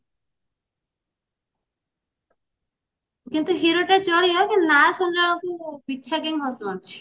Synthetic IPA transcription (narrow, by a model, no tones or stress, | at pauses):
kint̪uɦiɾoʈaɾt͡ʃɔɭiɔkenajɔsɔndaɭɔkubitːʃʰaɡɛŋɦɔsmɔɾt͡ʃʰi̥